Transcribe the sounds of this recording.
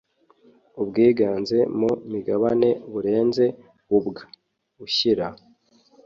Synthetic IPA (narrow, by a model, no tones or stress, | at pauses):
ubɡiːɡaːnze̞momiɡaβane̞βuɾe̞ːnze̞ | βubɡa | uçiɾa